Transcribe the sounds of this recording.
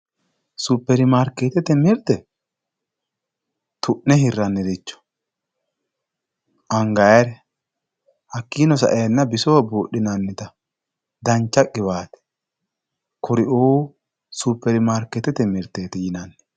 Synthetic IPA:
supːɛɾɪmaːɾkeːt̪ɛt̪ɛmɪɾt̪ɛ | t̪ʰʊʔnːɛhɪrːɐnːɛd̪ɪt͡ʃːɔ̥ | ʔɐŋɡɐjɐɾɛ | hɐkːiːnɔsɐ̰ʔɛjɐnːɐbɪsowbuːɗːɪnɐnːɪt̪ɐ | d̪ɐnt͡ʃːɐkʼːɪβaːt̪ɛ̥ | kʰɔɾɪʔoː | supːɛɾɪmaːɾkːɛt̪ːɛt̪ɛmɪɾt̪eːt̪ɛjɪnɐnːɛ

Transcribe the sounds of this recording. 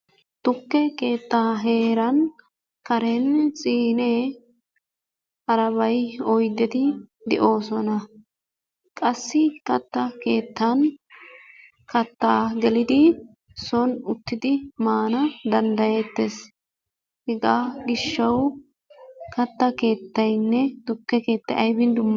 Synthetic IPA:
t̪ʊkːɛke̞ːt̪ːaːɦe̞ːɾɐn | kɐɾɛnsʼiːne | ɐɾɐβɐjɔjd̪ːɛt̪ɪd̪ɛ̰ʔo̞ːsɔnɐ | kʼɐsːɪkɐt̪ːɐke̞ːt̪ːɐn | kɐt̪ːaːɡɛlɪd̪ɪ | sɔnʊt̪ːɪd̪ɪmaːnɐd̪ɐnd̪ɐjet̪ːes | hɪɡaːɡɪʃːɐw | kɐt̪ːɐke̞ːt̪ːɐjnːɛd̪̥ʊkːɛke̞ːt̪ːɐʔɐjbɪnd̪ʊmː

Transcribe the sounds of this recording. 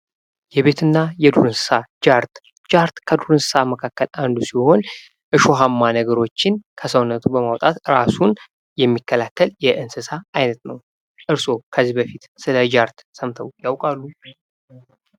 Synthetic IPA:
jɛβe̞t̪ʰɨnːajɛd̪uɾɨnsɨ̥sad͡ʒaɾt̪ | d͡ʒaɾt̪kʰəd̪uɾɨnsɨsaməkʰakːəland̪usiho̞n | ʔɨʃo̞ɦamːanəɡəɾo̞t͡ʃːɪnkʰəsəwnːət̪ʰubəmawt̪ʼat̪ɨɾasun | jɛmːikːəlʰat̪ʰːəljɛʔɨnsɨsaajnət̪nəw | ʔɨɾso̞kʰəzːibəfit̪sɨləd͡ʒaɾt̪səmt̪ʰəwjawkʼalːu

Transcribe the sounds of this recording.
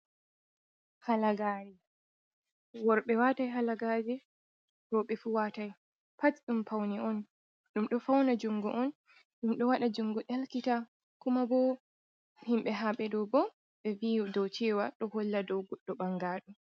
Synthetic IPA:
halaɡaːɾi | wɔɾɓɛwatajɦalaɡaːd͡ʒɛ | ɾɔɓɛfuːwataj | patɗumpawniɔn | ɗumɗɔfawnad͡ʒuŋɡɔ̰ʔɔn | ɗumɗɔwaɗad͡ʒuŋɡɔʔɛlkita | kumabɔ | himɓɛɦaɓɛdɔwbɔ | ɓɛvidɔwt͡ʃɛːwaɗɔhɔlːadɔwɡɔɗːɔɓaŋɡaːɗu

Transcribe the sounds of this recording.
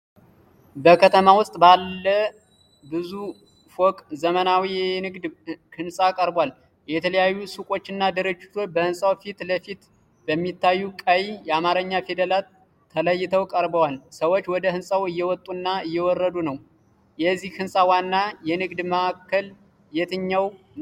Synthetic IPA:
bəkʰət̪ʰəmawʊst̪ʼbalːə | bɨzu | fokʼzəmənawijɛnɨɡd̪kɨnsʼakʼəɾbwal | jɛt̪ʰələjajːusukʼo̞t͡ʃːɪnːad̪əɾɨd͡ʒːɪt̪ʰo̞t͡ʃːbəhɨnsʼawfit̪ləfit̪ | bəmːit̪ʰːajːukʼəjjɛamaɾəɲːafed̪əlaː | ələjːɪt̪ʰəwkʼəɾbəwalsəwot͡ʃːwɔd̪əhɨnsʼawɨjːɛwɔt̪ʼːunːaɨjːɛwɔrːəd̪unəw | jɛzːihhɨnsʼawanːajɛnɨɡd̪məʔakːəl | jɛt̪ʰɨɲːaw

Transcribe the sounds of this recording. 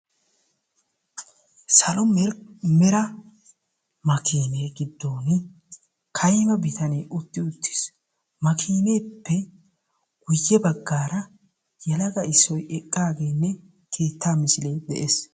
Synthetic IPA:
sɐlɔmɛɾmɛɾɐ | mɐkʰiːneːɡɪd̪ːoːn | kʰɐjmɐbɪt̪ɐneːʊt̪ːɪʊt̪ʰːɪ̥s | mɐkʰiːne̞ːpːɛ | ɡ̥ʊjːɛbɐɡːaːɾɐ | jɛlɐɡɐɪsːɔjɛkʼːaːɡe̞ːnːɛ | kʰe̞ːt̪ʰːaːmɪsɪleːd̪ɛʔeːs

